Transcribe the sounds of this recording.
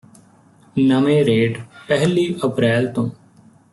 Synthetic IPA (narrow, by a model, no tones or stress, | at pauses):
nəmẽːɾeːɖpɛɦliːʔəpɾɛːlt̪õː